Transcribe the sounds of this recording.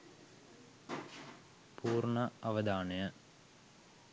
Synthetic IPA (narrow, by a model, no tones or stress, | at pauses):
pʰuːrɳɐɐʋɐd̪aːnɐjɐ